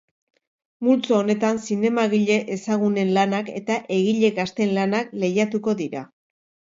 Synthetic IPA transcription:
mult͡soone̞t̪ansine̞maɣ̞iʎe̞ʔesaɣ̞une̞nlanake̞̰t̪aʔe̞ɣ̞iʎe̞ɣast̪enlanakle̞jat̪uko̞ðiɾa̰

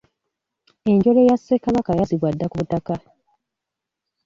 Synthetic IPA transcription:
e̞ɲɟo̞lejasːe̞kaβakajaziβwadːakutaka

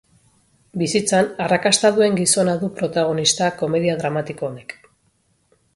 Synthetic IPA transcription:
bisit͡sanarakast̪aðue̞ŋɡiso̞naðupɾo̞t̪aɣ̞o̞nist̪ako̞me̞ðiaðɾamat̪iko̞ːne̞k

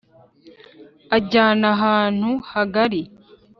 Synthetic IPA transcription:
aɟaːnaɦaːn̥huhaɡaɾi

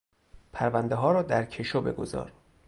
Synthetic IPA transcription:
pʰæɾvænd̪eɦɒːɾɒːd̪æɾcʰeʃobe̞̰ɡo̞̰zɒ̰ːɾ

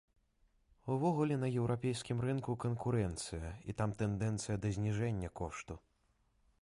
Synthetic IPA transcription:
uvɔɣulʲɛnɐjɛwɾʔapʲɛjskʲimɾɨnkukɐnkuɾɛnt̪sɨjɐḭt̪amt̪ɛnd̪ɛnt̪sɨjɐd̪ɐzʲnʲiʐɛnʲːɐkɔʂt̪u

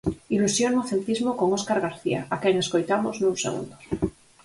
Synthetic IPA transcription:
ilusjonnoθelt̪izmokoŋoskaɾɣaɾθia̰akeŋeskojt̪amoznũnsḛɣṵnd̪os

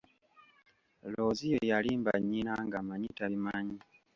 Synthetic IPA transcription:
lo̞ːzijojalimba̰ɲːinaŋɡamaɲitaβimaɲi

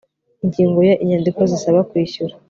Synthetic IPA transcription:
iɲɟiːŋɡo̞jaʔiɲandiko̞zisaβakwiːçuɾa

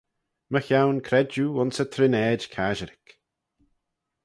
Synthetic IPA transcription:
məxjawnkʰɾɛd͡ʒuʊnsət̪ʰɾɪnɛːd͡ʒkʰaʒəɾɪk

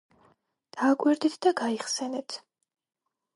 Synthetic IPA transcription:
d̪̥aːkʼwɛɾd̪ɛt̪ʰd̪aɡaiχsɛnɛt̪ʰ

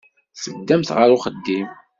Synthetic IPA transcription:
səd̪ːæmθʁəɾʊχəd̪ːim

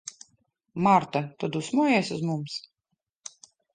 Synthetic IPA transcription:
maɾt̪at̪ɔd̪usmujɛsʲuzmums

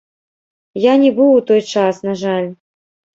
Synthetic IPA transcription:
janʲɛbɨwwt̪ɔjt͡ʂasnaʐalʲ

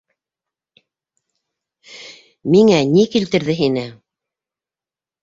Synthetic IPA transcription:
miŋænikilt̪ɘ̆ɾðɘɦinɘ

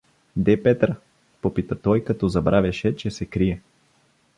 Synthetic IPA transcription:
d̪ɛpɛt̪ɾə | popit̪ət̪ɔjkɐt̪ɔzɐbɾavʲjɐʃɛt͡ʃɛsɛkɾiɛ

